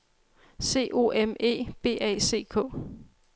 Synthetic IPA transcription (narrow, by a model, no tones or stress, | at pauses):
se̝̰ːʔo̝̰ːʔeme̝̰ːb̥e̝̰ːɛ̰ɪse̝̰ːkʰɔ̰̽ː